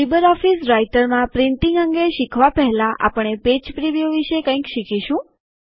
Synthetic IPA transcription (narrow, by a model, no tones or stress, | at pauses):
ibəɾɔfisɾajʈəɾmãpɾɪnʈiŋɡəŋɡeʃikʰʋapɛɦlãʔa̰pəɳeped͡ʒpɾiʋijoʋiʃekə̃ĩkʃikʰiʃũ